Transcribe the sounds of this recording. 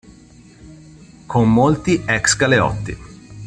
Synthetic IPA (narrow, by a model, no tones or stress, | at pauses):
kʰommolt̪iɛksɡaleɔ̰t̪ːḭ